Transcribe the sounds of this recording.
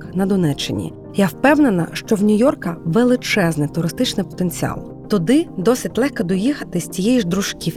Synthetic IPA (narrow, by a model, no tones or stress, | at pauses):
knɐd̪ɔnɛt͡ʃːɪ̰nʲḭ | jawpɛwnenɐ̰ʃt͡ʃɔwnʲʊjɔrkɐʋelˠɪt͡ʃɛznɪt̪ʊɾɪst̪ɪt͡ʃnɪpɔ̥t̪enʲt͡sʲiɑ̰lˠ | t̪ɔd̪ɪd̪ɔsɪtʲlˠɛxkɐd̪ɔjixɐt̪ɪsʲt͡sʲijɛjiʒd̪ɾʊʃkʲiw